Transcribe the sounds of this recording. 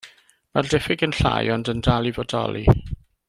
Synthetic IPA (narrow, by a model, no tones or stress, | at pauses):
mardɛfɪɡənɬa̰ːjɔndəndalˠivɔdɔ̰lˠi